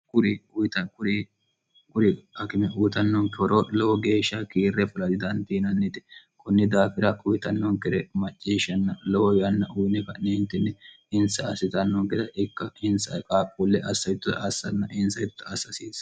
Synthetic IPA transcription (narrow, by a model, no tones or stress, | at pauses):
kʊɾɪʊjt̪ɐkʊɾ | kʊɾɪɐkɪmɛʔuːt̪ɐnːɔŋkɔɾɔlɔwɔɡe̞ːʃːɐkiːrːɛfʊlɐd̪ɪd̪ɐnt̪iːnɐnːɪt̪ɛ̥kʊnːɪd̪aːfɪɾɐʔʊjɪt̪ɐnːɔŋkɪɾɛmɐt͡ʃʼːiːʃɐnːɐlɔwɔjɐnːɐʔʊjnɛkɐneːnt̪ːɛnːɛ | ɪnsɐɐsɪt̪ɐnːɔŋkɛt̪ɛʔɪkːɐɪnsɐkʼaːkʼːulːɛʔɐsːɐjɪt̪ːʊɐsːɐnːɐʔɪnsɐjɪt̪t̪ːɐɐsɐsiːs